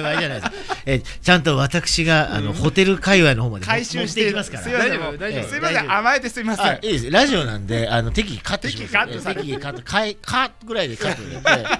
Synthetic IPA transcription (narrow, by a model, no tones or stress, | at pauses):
aianajd̪ske | t͡ɕãnt̪o̞βat̪akɯ̟̥ɕiɡaa̰no̞ho̞t̪e̞ɾɯ̟kaiβaino̞ɦoːmad̪aiɕɨt̪eeimasɨ̥ka̰ɾaimsɨimaẽamaet̪esɨimasaiːd̪e̞sɨɾaʑio̞nã̰nd̪e̞ano̞t̪e̞kʲiikat̪ːe̞kʲiikat̪ːokʰaekʰat̪ɡɯ̟ɾaid̪e̞kat̪ːoɯne